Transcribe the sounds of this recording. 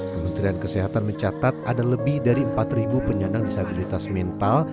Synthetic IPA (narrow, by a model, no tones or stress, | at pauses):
kkəmənt̪ɾiankəseɦat̪anməɲt͡ʃat̪at̪̚adaləbɪhdaɾiəmpat̪ribupəɲanaŋdisabilit̪asmɛnt̪al